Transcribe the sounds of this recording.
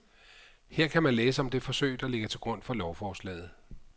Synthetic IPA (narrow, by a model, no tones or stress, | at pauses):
heɐ̰kʰæmænleːsəɒ̽md̥e̝fɒ̽sø̰ɪd̥ɒle̝ɡ̥ət͡sʰe̝lɡ̥ʁɔ̽n̰fɒ̽lɒʊfɒːslɛ̰ːð̩ˠ